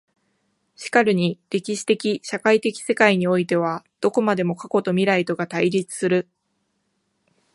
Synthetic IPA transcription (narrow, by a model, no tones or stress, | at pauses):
ɕi̥kaɾɯ̟ɲ̟iɾʲe̞kʲiɕi̥t̪e̞kʲiɕakait̪e̞kʲi̥se̞kaiɲ̟io̞it̪e̞β̞ad̪̥o̞ko̞mad̪e̞mo̞kako̞t̪o̞mʲiɾait̪o̞ɡat̪aiɾʲit͡sɨ̥sɨɾɯ̟